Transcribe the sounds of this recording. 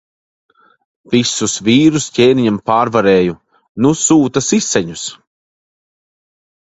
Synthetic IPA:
visusviːɾuscʲeːniɲampaːɾvaɾeːju | nusuːt̪asisːɛɲus

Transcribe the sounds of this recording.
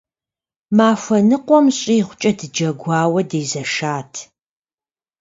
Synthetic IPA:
maːfʷɐnɨqʷɔmɕʼiːʁʷʊt͡ʃʼɐdɨd͡ʒɐɡʷɑːwɐdeːzɐʃaːtʰ

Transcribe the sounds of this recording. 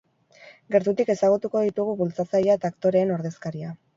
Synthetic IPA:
ɡe̞ɾt̪ut̪ike̞saɣ̞ut̪uko̞ðit̪uɣ̞uβult͡sat͡sajaet̪aːkt̪o̞ɾe̞ːno̞ɾðe̞skaɾia

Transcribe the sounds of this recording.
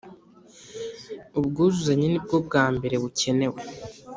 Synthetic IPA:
ubɡuːzuzaɲenib̚ɡo̞b̚ɡaːmbe̞ɾe̞βucʰe̞ne̞we̞

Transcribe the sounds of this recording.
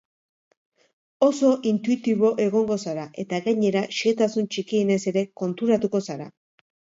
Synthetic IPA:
o̞so̞ʔint̪uit̪iβo̞ʔe̞ɣ̞o̞ŋɡo̞saɾaʔe̞t̪aɣaɲe̞ɾaʃet̪asunt͡ʃikiːne̞se̞ɾe̞ko̞nt̪uɾat̪uko̞saɾa̰

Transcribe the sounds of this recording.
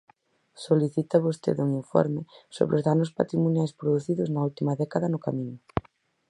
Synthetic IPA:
soliθit̪aβost̪ḛðuŋiɱfɔ̰ɾmɪso̰βɾozðanʊspa̰t̪ɾimonjajspɾoðuθiðʊznɐult̪imɐðɛkaðɐnʊkamĩɲʊ

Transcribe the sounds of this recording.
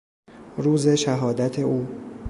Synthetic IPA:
ɾuːze̞ʃæɦɒːd̪æt̪ʰe̞ʔuː

